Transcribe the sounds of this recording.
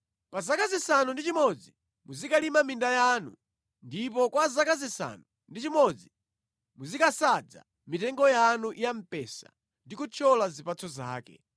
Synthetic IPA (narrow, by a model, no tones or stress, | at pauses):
pazakazisanundit͡ʃimɔd͡zi | muzikalimamindajaːnṵ | ndip̬ɔkwazakazisa̰nu | ndit͡ʃimɔd͡zi | muzikasad͡za̰ | mitɛŋɡɔjanuʔjam̩pɛsa̰ | ndikut͡ʃʰɔlazipat͡sɔza̰ːkɛ̰